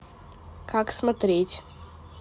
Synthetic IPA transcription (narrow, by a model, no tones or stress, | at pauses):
kʰaksmɐt̪ɾʲetʲ